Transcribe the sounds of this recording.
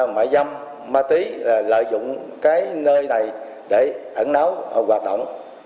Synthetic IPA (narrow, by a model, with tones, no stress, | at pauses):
ma̰˧˩jza˧m | maː˧t̪i˨˦laː˨˩lə̰ː˧˨jzʊ̰˧˨ŋ͡mkaː˨˦jnəː˧jna˨˩j | ɗe˧˩ʔə˧˩nna˨˦wɣwaː˨˩t̚ɗo̰˧˨wŋ͡m